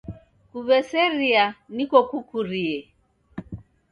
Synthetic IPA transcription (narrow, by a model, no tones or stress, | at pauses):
kuβɛsɛɾianikɔkukuɾiɛ